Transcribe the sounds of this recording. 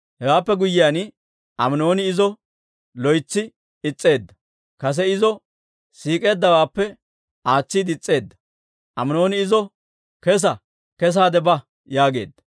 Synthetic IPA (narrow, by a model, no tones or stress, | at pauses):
hɛwaːpːɛɡʊjːɪjan | ʔɐmno̞ːnɪɪzɔ | lɔjt͡sːɪ | ɪt͡sʼːe̞ːd̪ːɐ̥ | kɐs̬ɛɪzɔ | siːkʼe̞ːd̪ːɐwaːpːɛ | aːt͡sːɪd̪ɪt͡sʼːe̞ːd̪ːɐ̥ | ʔɐmno̞ːnɪɪzɔ | kɛs̬ɐ | kɛs̬aːd̪ɛbɐ | jaːɡe̞ːd̪ːɐ̥